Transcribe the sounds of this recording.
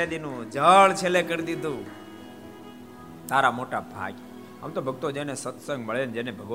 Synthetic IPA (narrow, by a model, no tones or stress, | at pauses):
ad̪inũd͡ʒəɭt͡ʃʰelekəɾd̪id̪ʱũ | t̪aɾamoʈabʱa̰ɡ | ə̰mt̪obʱəɡ̚t̪od͡ʒenesət̪sə̃ŋɡməɭend͡ʒenebʱəɡ